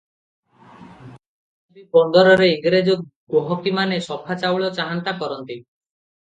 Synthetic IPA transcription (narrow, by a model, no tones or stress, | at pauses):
bipɔnd̪ɔɾɔɾeiŋɡɾed͡ʒoɡoɦɔkimanesɔpʰat͡ʃawɭɔt͡ʃaɦant̪akɔɾɔnt̪i